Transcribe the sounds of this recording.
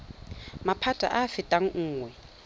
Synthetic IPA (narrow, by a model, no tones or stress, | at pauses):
mapʰatʼa̰ʔafɪtʼaŋ̩ŋ̩ːŋwɛ